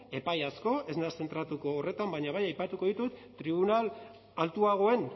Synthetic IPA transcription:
e̞pajasko̞ʔe̞znase̞nt̪ɾat̪uko̞ːre̞t̪ambaɲaβajajpat̪uko̞ðit̪ut̪ːɾiβ̞unal | alt̪uaɣ̞o̞e̞n

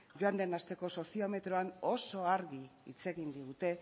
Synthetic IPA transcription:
ʝoand̪e̞nast̪e̞ko̞so̞sio̞me̞t̪ɾo̞ano̞so̞aɾɣiḭt͡se̞ɣind̪iɣut̪e̞

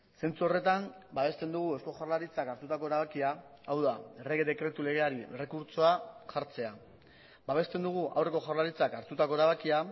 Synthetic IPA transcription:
se̞nt͡suo̞re̞t̪ambaβe̞st̪e̞nd̪uɣ̞ue̞sko̞ʝaɾlaɾit͡sakaɾt̪ut̪ako̞e̞ɾaβakia | awðaere̞ɣe̞ðe̞kɾe̞t̪ule̞ɣ̞e̞aɾiere̞kuɾt͡so̞aʝaɾt͡se̞a | baβ̞e̞st̪e̞nd̪uɣ̞uʔawre̞ko̞ʝaɾlaɾit͡sakaɾt̪ut̪ako̞e̞ɾaβ̞akia

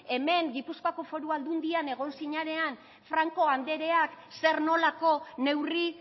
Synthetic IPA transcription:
e̞me̞ŋɡipuskoako̞fo̞ɾuald̪und̪iane̞ɣ̞o̞nsiɲaɾe̞an | fɾaŋko̞and̪e̞ɾe̞akse̞ɾno̞lako̞ne̞wri

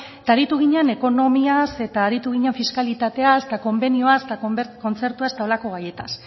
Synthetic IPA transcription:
et̪aɾit̪uɣ̞iɲene̞ko̞no̞miase̞t̪aːɾit̪uɣiɲeeɱfiskalit̪at̪e̞ast̪ako̞mbe̞nioaset̪ako̞nt͡se̞ɾt̪uase̥t̪ao̞lako̞ɣ̞aje̞t̪a̰s

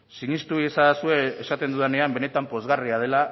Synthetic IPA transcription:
siɲist̪uiesasue̞esat̪e̞nd̪uðene̞ambe̞ne̞t̪ampo̞zɣariað̞e̞la

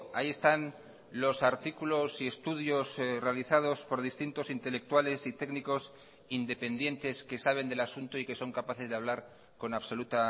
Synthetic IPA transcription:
a̰ie̞st̪an | lo̞saɾt̪ikulo̞sie̞st̪uðjosre̞aliθað̞o̞spo̞ɾðist̪int̪o̞sint̪e̞le̞k̚t̪wale̞sit̪e̞ɡniko̞s | ind̪e̞pe̞nd̪je̞nt̪e̞ske̞saβe̞nd̪e̞lasunt̪oike̞so̞ŋkapaθe̞zðeaβ̞laɾ | ko̞naβso̞lut̪a

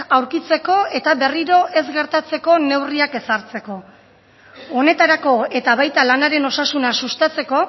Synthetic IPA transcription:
awɾkit͡se̞ko̞e̞t̪aβe̞riɾo̞ʔe̞zɡe̞ɾt̪at͡se̞ko̞ne̞wriake̞saɾt͡se̞ko̞ | ne̞t̪aɾako̞e̞t̪aβajt̪alanaɾe̞no̞sasunasust̪at͡se̞ko̞

